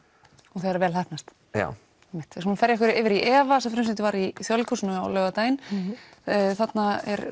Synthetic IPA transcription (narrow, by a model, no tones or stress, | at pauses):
ɔθeðɾvɛːlθaht̪nast̪ | a̰ | ɛmːɪht̪ːsumnfɛɾjɛhkvʏɾɪːvɪɾiʔɛːvasɛmfɾʏns̬ɪnt̪ɪvaɾiθjɔlkʰusnʏawlœːɣat̪aːjɪn | θat̪naɛɾ